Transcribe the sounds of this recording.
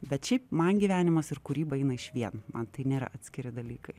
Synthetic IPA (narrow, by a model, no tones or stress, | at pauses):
bʲɛt̪ʃʲɛɪpmɐnɡʲiʋʲæːnʲɪmɐsɪɾkʊɾʲiːbɐɛɪnɐɪʃʋʲiɛnmɐnt̪ɐɪnʲeːɾɐ̰ʔɑːt̪ʲsʲkʲɪɾʲɪd̪ɐlʲiːkɐɪ